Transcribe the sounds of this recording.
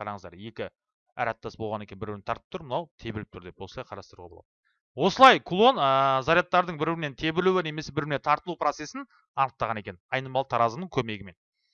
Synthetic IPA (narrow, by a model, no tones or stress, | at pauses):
qʰɑɾɑɴəzd̪ɑ̰ɾje̞kʲɪ | æ̰ɾæt̪ːɑsbolˠʁɑne̞kʲenbɪɾbɪɾnɪt̪ɑɾt̪əp̚t̪ʊɾmənɑwt̪ʰe̞bɪɾɪp̚t̪ʰʊɾd̪e̞p̚wo̞səlˠɑjqʰɑɾɑst̪ɾṵʁɑb̰̪ˠɑd̪ | wo̞səlˠɑjkʰulˠo̞nəzaɾijat̪ːɑɾd̪əɴbɪɾbɪɾɪne̞nt̪ʰe̞bɪɾluwɪne̞me̞sebɪɾbɪɾne̞nt̪ʰɑɾt̪əlˠupʰɾo̞t̪se̞sɪn | ɑnəq̚t̪ːɑʁɑne̞kʲennɑjnəmɑlˠt̪ʰɑɾɑzəmnəɴkʲʰɵme̞ɡʲɪme̞n